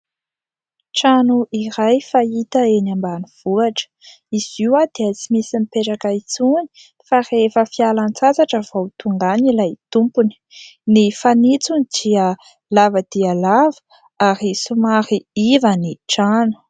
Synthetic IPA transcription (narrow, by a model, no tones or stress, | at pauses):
ʈ͡ʂanuʔiɾajfait̪əenambaniv̥uaʈ͡ʂə̥ | iz̥iwad̪̥eət͡simisinipeʈ͡ʂakait͡suni̥ | farefəfialant͡sat͡saʈ͡ʂəvowt̪uŋɡanilajt̪umpuni̥ | nifanit͡sunid̪̥iə | lavəd̪̥iəlavə̥ | aɾisumaɾiivəniʈ͡ʂanu̥